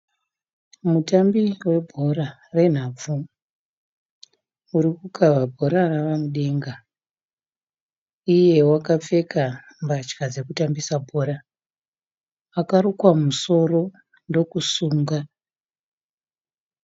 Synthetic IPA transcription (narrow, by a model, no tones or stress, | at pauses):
mutambiwe̞bʱo̞ra | re̞n̤ab͡vu | uɾikukʰavabʱo̞ɾaraʋamuɗe̞ŋɡa | ije̞wakap͡fe̞ka | mbat͡ʃkad͡ze̞kutambisabʱo̞ɾa | akaɾukwamuso̞ro̞ | ndo̞kusuːŋɡa